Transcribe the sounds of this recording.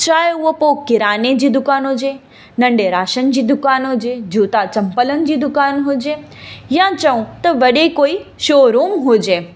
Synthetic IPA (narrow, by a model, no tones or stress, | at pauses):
t͡ɕaːɦeʊɦopoːkːɪɾaːned͡ʑiːd̪ʊkaːnod͡ʑeː | nɐ̃ɳɖeɾaːʃənɪd͡ʑiːd̪ʊkaːnod͡ʑeːd͡ʑʱuːt̪at͡ɕɐ̃mpələnɪ̆d͡ʑiːd̪ʊkaːnɦʊd͡ʑeː | jãt͡ɕɐũt̪ɐʋɐɗekoːiʃoːɾuːmɦud͡ʑeː